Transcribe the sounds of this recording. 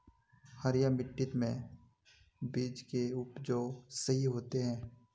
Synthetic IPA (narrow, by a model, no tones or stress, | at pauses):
həɾjamɪʈːɪt̪mẽ | biːd͡ʒkeʊpd͡ʒoːsɐɦiɦoːt̪eɦɛ̃ː